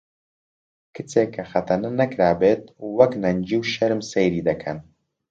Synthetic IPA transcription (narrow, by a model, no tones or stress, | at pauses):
kʰɨt͡sʰeːkʰːɐxɐt̪ʰɐnɐnɐkɾaːbet̪̚wɐknɐnd͡ʒiwʃɐɾmsejɾiːd̪ɐkʰɐn